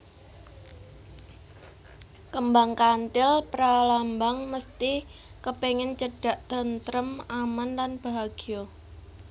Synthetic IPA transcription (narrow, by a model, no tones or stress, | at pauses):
kəmbaŋkant̪ɪlpɾalambaŋməst̪i | kəpeŋɪnt͡ʃəɖ̥a̤ʔt̪əɾənt̪ɾəmamanlanb̥aɦaɡ̥iɔ